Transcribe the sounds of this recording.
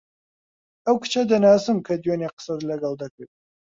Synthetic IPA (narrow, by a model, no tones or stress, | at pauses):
ɐwkʰɨ̥t͡ʃʰɐd̪ɐnaːsɨmkʰɐd̪ijoneqə̥sɐd̪ɨlɐɡɐld̪ɐkʰʷɨ